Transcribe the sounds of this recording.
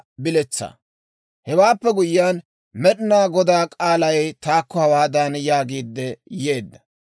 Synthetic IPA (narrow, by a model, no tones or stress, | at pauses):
bɪlɛt͡sːɐ̰ | hɛwaːpːɛɡʊjːaːn | mɛɗɪnaːɡɔd̪aːkʼaːlɐjt̪aːkːɔhɐwaːd̪aːnjaːɡiːd̪ːɛje̞ːd̪ːɐ̥